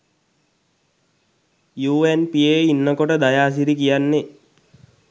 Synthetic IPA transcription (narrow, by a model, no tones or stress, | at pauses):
juːenpieinːəkoʈəd̪ajaːs̬iɾikijanːe